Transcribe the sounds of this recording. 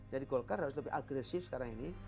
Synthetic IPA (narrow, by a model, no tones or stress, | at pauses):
d͡ʒadikɔlkaɾas̬lɛpiʔaɡɾɛsifskaɾaŋini